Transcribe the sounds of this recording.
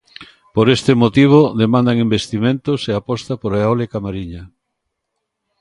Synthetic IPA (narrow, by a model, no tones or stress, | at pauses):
poɾest̪ɪmot̪iβ̞oðemãnd̪aŋimbest̪imẽnt̪oseapɔst̪apoɾeolekamaɾiɲa